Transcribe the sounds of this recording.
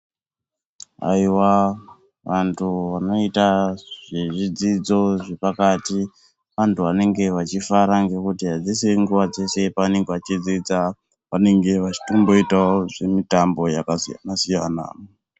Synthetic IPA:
a̰iwa | ʋantʰuʋano̞itaʐ̥eʐid͡zid͡zo̞ʐe̞pakati | ʋantʰuʋane̞ŋɡe̞ʋat͡ʃifaɾaŋɡe̞kutiɦad͡ziseŋɡuʋad͡ze̞se̞pane̞ŋɡeʋat͡ʃid͡zid͡za | ʋane̞ŋɡe̞ʋat͡ʃi̥tombo̞itaoʐe̞mitambo̞jakasija̰nasijana̰ː

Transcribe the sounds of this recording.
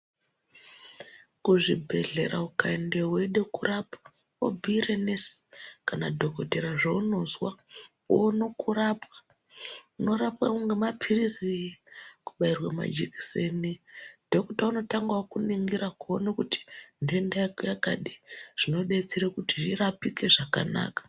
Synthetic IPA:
kuʐibʱe̞ɮe̞̰ɾa̰ukaindeɦweɗe̞kurapḁ | o̰bʱiːɾenesi̥kanadʱo̞ko̞teɾaʐouno̞zwa | onokuɾapwḁ | uno̞ɾapwakuŋɡemapʰirizi | ku̥ɓairwama̰d͡ʒiki̥senidʱo̞ktauno̞taŋɡaokuniŋɡiɾakuonakuti̥ndendajaka̰ɗiʐ̥ino̞ɗet͡siɾekutiʐirapike̞ʐaka̰na̰ːkḁ

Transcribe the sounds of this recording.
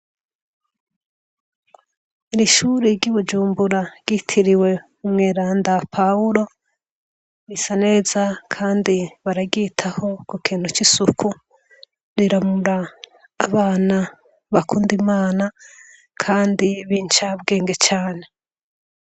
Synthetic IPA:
iɾiʃuːɾiɾɟuβud͡ʒuːmbuɾaɡ̥itʰiɾiwe̞ | umŋe̞ːɾaːndapʰauɾo̞ | βisane̞ːzakʰaːndiβaɾaɡitʰaho̞kukʰiːnhut͡ʃisukʰu | ɾiɾamuɾaː | βaːna | βakʰuːndimaːna | kʰaːndiβiːnt͡ʃabɡe̞ːŋɡe̞t͡ʃaːne̞

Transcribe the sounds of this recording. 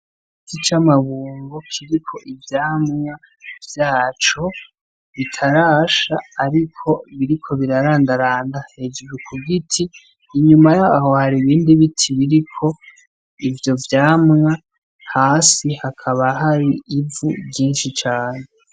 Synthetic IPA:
ɡitʰit͡ʃamaβuːŋɡokʰiɾikʰo̞ʔivjaːmŋa | vjaːt͡ʃo̞ | βitʰaɾaːʃaːɾikʰo̞βiɾikʰo̞βiɾaɾaːndaɾaːndahe̞d͡ʒuɾukʰuɡitʰiː | ɲumajaaho̞haɾiβiːndiβitʰiβiɾikʰo̞ | ivjo̞vjaːmŋa | haːsihakʰaβaɦaɾiːvṵbɟiːnʃit͡ʃaːne

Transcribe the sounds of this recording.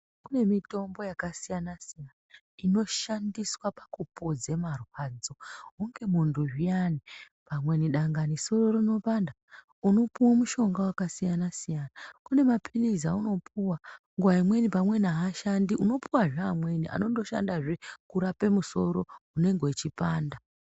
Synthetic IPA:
kune̞mito̞mbo̞jakasijanasijana | ino̞ʃandiswapḁkupod͡ze̞marwaːd͡zo̞ɦuŋɡe̞munduʐijani | pamwe̞niɗaŋɡaniso̞ro̞rino̞panda | uno̞puwamuʃo̞ŋɡawakasijanasijanakune̞mapʰilizauno̞puwa | ŋɡuwaimwe̞nipamwe̞naɦaʃandiʔuno̞puwaʐeamwe̞niʔa̰no̞ndo̞ʃa̰ndaʐekuɾape̞muso̞ɾo̞une̞ŋɡeit͡ʃipaːnda

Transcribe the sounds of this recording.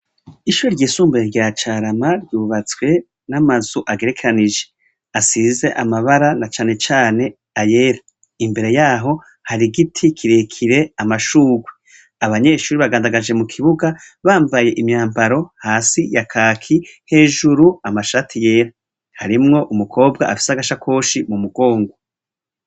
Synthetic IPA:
iʃuːɾoɾɟiːsuːmbaeɾɟaat͡ʃaɾamaɾɟuːβat͡swe̞ | namazuʔaɡe̞ɾe̞kʰeɾaniʒe̞ | asize̞ʔamaβaɾanat͡ʃaːne̞t͡ʃaːne̞ | aje̞ːɾa | imbe̞ɾe̞jaːɦo̞ | haɾiɡitʰikʰiɾekʰiɾe̞amaʃuːɡwe | aβaɲe̞ːʃuːɾiβaɡaːndaɡad͡ʒe̞mukʰiβuɡa | βaːmvaje̞ʔimɲaːmbaɾo̞haːsijakʰaːkʰihe̞ːʒuɾuamaʃaːtʰijeːɾa | haɾimŋo̞ʔumukʰo̞ːbɡaafi̥saɡaʃakʰo̞ːʃimumuɡo̞ːŋɡo

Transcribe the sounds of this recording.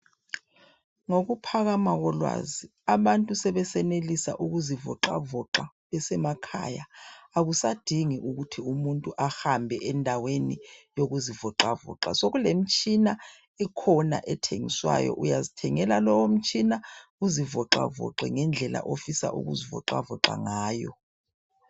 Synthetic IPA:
ŋoɣupʰaɣamaɣɔlwa̰zi | aβantʼusɛβɛsɛnelisa̰ʔuɣuzivɔ̰ǃa̰vɔǁa | βɛsɛmakʰa̰jaːɣusad̥ʱiŋiʔuɣutʰiumuntʼuʔahambʱɛʔɛndʱawenijoɣuzivɔǁavɔ̰ǁa̰soɣulem̩t͡ʃʼina | ɛkʰɔna̰ʔɛtʰeŋḭswa̰jɔ̰ʔujazitʰɛŋɛlalɔwom̩t͡ʃʼinauzivɔǁa̰vɔ̰ǁɛŋɛnd͡ɮʱɛla̰ʔofisa̰ʔṵɣuzivɔ̰ǃa̰vɔǃa̰ŋaːjɔ̰

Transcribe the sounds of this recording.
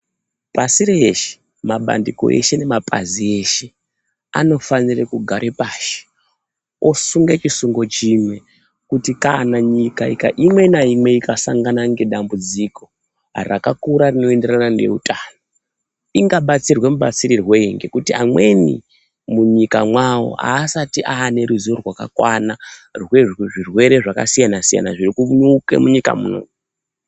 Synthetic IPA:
pasiɾeeʃe̥ | maɓa̰ndiko̰ʔḛʃe̞ne̞mapʼa̰zie̞ʃe̞ | a̰no̞fanirekuɡʱaɾʔe̞paːʃe̥ | osuŋɡet͡ʃisuŋɡo̞t͡ʃimwe̞ | kutikanaɲikaika̰ʔimwe̞naimwe̞ikasaŋɡanaŋɡe̞ɗambud͡zikʰo̞ | rakakuɾarino̞ende̞ranande̞̰utʰano | iŋɡaɓat͡sirwe̞muɓat͡siɾirwe̞iŋɡe̞kutiamwe̞nḭ | muɲikamwawo̞̰a̰ːsatiʔaːne̞ɾuziorwaka̰kwanarweʐirwe̞ɾe̞ʐaka̰sijanasija̰na̰ʐirikuuɲukḛmuɲika̰mṵno̰ːm

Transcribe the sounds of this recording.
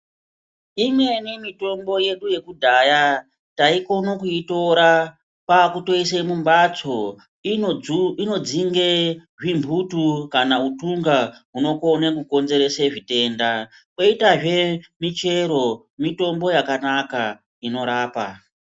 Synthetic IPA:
imwe̞nimito̞mbo̞je̞ɗuje̞kudʱaja | taiko̞nokuito̞ɾa | pakuto̞isemumbat͡so̞ | ino̞d͡ziŋɡeʐimbʱutukanautuŋɡaɦuno̞konekuko̞nze̞ɾe̞seʐite̞ːnda | koitaʐe̞mit͡ʃe̞ɾo̞ | mito̞mbo̞jakanaka | ino̞ɾaːpa

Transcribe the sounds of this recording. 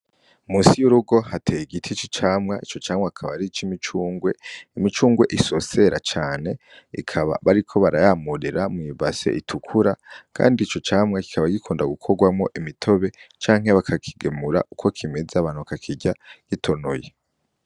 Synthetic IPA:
umuːsijuɾuɡo̞hatʰejiɡitʰit͡ʃi̥t͡ʃaːmŋait͡ʃo̞t͡ʃaːmŋakʰaβaɾit͡ʃimit͡ʃuːŋɡwe̞imit͡ʃuːŋɡwe̞̰ʔiso̞se̞ɾʔa̰t͡ʃaːne̞ | ḭkʰaβa̰βaɾikʰo̞βaɾajamuɾiɾamŋiːβase̞̰ʔitʰukʰuɾakʰa̰ːndiːt͡ʃo̞t͡ʃaːmŋaki̥kʰaβaɡikʰuːndaɡukʰo̞ɡwamŋo̞ʔimitʰo̞βe̞t͡ʃaːŋ̥ɦe̞βakʰakʰi̥ɡemuɾa̰ʔukʰo̞kʰimezeaβaːn̥huβakakʰiɟaɡ̥itʰo̞noje

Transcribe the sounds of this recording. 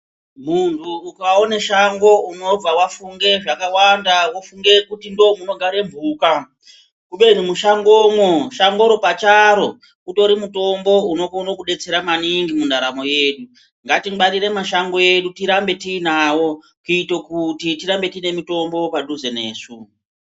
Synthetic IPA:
muntʰuːkaone̞ʃaŋɡo̞uno̞b͡vawafuŋɡe̞ʐakawandawofuŋɡe̞kutindomuno̞ɡʱaɾe̞mbʱuːka | kuɓe̞n̤umuʃaŋɡomwoʃaŋɡo̞ɾo̞pat͡ʃaɾo̞ | uto̞ɾimuto̞mbo̞unokno̞kuɗe̞t͡se̞ɾamaniŋɡimundaɾamo̞je̞ːɗu | ŋɡatiɓaɾire̞maʃaŋɡo̞je̞ɗutiɾambe̞tiːnawo̞ | kuitokutitiɾambe̞tinemito̞mbo̞paɗuze̞ne̞ːsu

